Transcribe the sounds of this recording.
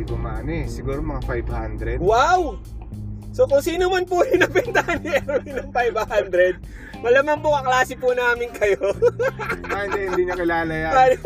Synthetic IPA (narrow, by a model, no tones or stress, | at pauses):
ɡʊma̰ːnɛsɪɡuːɾomɐŋafajbhand̪ɾɛwaw | sokʊŋsiːnomɐnpʊjɪnɐŋpɛnt̪ahɐnɛɾoɪnɐŋfajbhand̪ɾɛd̪̚ | mɐlamɐnpʊʔɐklaːsɪpʊnaːmɪnkɐjo | aɪnd̪ɛɪnd̪iɲokɪlaːlɐjaa